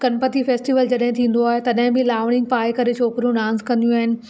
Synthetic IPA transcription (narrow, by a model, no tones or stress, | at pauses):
kɐnpət̪ifeːsʈiʋəld͡ʑɐɗɦɪ̃t̪ʰĩːn̆d̪oaːɦet̪ɐɗɦɪ̃bɪlaːʋɽ̃ɪ̃ŋɡ̚paːekɐɾet͡ɕʰoːkɾjũɖãːnskɐ̃nd̪ijũaːɦɪnɪ̆